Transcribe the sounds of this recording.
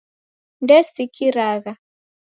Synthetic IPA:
ndɛsikʰiɾaɣa

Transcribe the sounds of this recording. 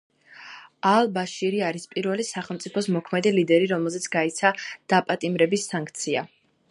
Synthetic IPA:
alˠbaʃiɾiaɾispʼiɾvɛlisaχɛlˠmt̪sʼipʰɔsmɔkʰmɛd̪ilid̪ɛɾiɾɔmɛlˠzɛt̪sʰɡait̪sʰad̪̥apʼat̪ʼimɾɛbisːaŋkʰt̪sʰia̰

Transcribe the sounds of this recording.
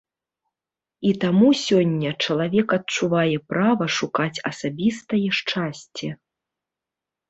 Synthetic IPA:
it̪amusʲɔnʲːɐt͡ʂɐlˠavʲɛkɐtt͡ʂuvajɛpɾavɐʂukat͡sʲɐsabʲist̪ɐjɛʂt͡ʂasʲt͡sʲɛ

